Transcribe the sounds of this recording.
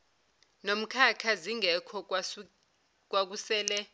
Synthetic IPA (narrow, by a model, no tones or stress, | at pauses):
nom̩kʰakʰaziŋɛkʰɔ | k̬wak̬usɛːlɛ